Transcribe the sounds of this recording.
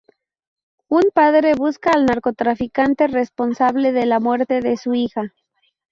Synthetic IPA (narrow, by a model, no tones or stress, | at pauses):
umpaðɾe̞βuskaːlnaɾko̞t̪ɾafikant̪e̞respo̞nsaβle̞ðe̞lamwe̞ɾt̪e̞ðe̞suixa